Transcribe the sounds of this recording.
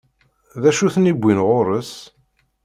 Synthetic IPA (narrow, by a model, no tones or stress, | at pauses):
ðæʃuθnibʷːinʁoɾˤəs